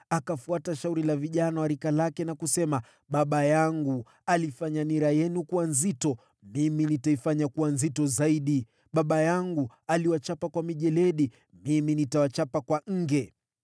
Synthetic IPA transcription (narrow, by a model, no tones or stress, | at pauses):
akafuataʃauɾilaviʄanawaɾikalakɛnakusɛma | ɓaɓajaŋɡu | alifaɲaniɾajɛnukuwanzitɔ | miminitaifaɲakuwanzitɔzaiɗi | ɓaɓajaŋɡu | aliwat͡ʃapakwamiʄɛlɛɗi | miminitawat͡ʃapakwaŋ̩ɡɛ